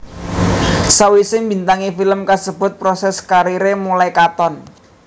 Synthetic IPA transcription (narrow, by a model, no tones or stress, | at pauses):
sawisɪŋmbi̤nt̪aŋifiləmkasəb̥ʊ̤t̪̚pɾɔsɛskaɾiɾemulajkat̪ɔn